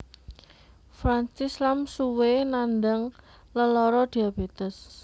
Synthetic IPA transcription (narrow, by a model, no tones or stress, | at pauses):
fɾant͡ʃislamsuwenand̪əŋ | ləlɔɾɔd̪̥iab̥ed̪̥əs